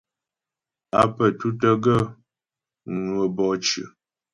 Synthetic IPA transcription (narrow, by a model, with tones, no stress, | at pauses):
a̰˨pə˨tu˦tə˦ɡə˦˨ | nwə˨bɔ˦t͡ʃʉ̰˨